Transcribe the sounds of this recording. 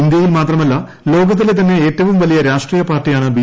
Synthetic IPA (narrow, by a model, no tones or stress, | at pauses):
ind̪jɐjilmaːt̪rɐmɐlːɐ | lo̞ːɡɐt̪̬ːilet̪ɐnːe̞eːtːɐʋumʋɐlijɐɾaːʂʈriːjɐpaːrʈːijaːɳɨbi